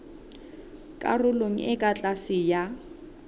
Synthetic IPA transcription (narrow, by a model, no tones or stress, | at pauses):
kʼa̰rʊlom̩ʔɪkʼat͡ɬʼasɪja